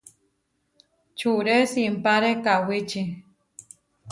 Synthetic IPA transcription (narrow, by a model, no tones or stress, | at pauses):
t͡ʃuɾesimpaɾekawit͡ʃi